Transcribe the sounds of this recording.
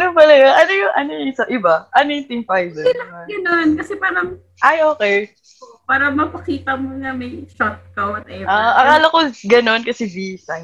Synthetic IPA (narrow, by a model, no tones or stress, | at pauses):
ɐnopɐlɐjoŋʔɐnojʊŋʔɐnojŋɪsɐʔɪbaʔɐnojʊt̪ɪŋfajbɛɪlɐɐɡɐnonkɐsɛpaːɾɐm | ʔɐjʔoːkɛj | paːɾɐmɐpɐkiːt̪ɐmoŋɐmɐjʃat̪̚kɐwɐt̪ɐ̰jaʔaʔʔɐkaːlɐkoɡɐno̞nkɐsɛbisɐŋ